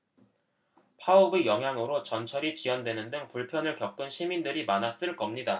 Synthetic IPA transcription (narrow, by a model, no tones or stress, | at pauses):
pʰaubejʌŋɦjaŋɯɾot͡ɕʌnt͡ɕʰʌɾit͡ɕiwʌndwe̞nɯndɯŋpuɭpʰjʌnɯɭkjʌk̚k͈ɯnɕʰimindɯɾimanas͈ɯɭk͈ʌmɲida